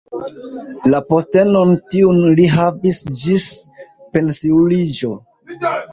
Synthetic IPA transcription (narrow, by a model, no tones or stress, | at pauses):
lapo̞ste̞nontiunliɦavisd͡ʒispe̞nsiulid͡ʒo̞